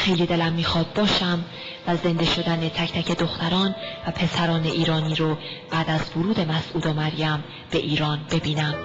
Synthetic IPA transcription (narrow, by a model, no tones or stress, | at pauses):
xe̞jliːd̪e̞læmːiːxɒːd̪̥̚bɒːʃæm | væze̞nd̪e̞ʃo̞d̪æne̞t̪ʰæcʰt̪æcʰe̞d̪oxt̪æɾɒːnvæpʰe̞sæɾɒːneʔiːɾɒːniːɾo | b̥æːd̪æzvoɾuːd̪e̞mæsʔuːd̪ɒmæɾjæm | b̥e̞ʔiːɾɒːnbe̞biːnæm